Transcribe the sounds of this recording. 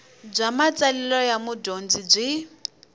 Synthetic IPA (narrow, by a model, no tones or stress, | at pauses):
b͡ʐʷamat͡sʼalɛlɔjamudond͡zib͡ʐʷi